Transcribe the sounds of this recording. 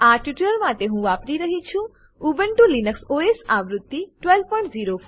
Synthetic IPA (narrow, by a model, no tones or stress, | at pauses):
aʈjiʈəɾmaʈeɦũʋapɾiɾəɦit͡ʃʰũ | ubəɳʈulinəksoesaʋɾʊt̪ːiʈʋelpɔjɳʈziːɾo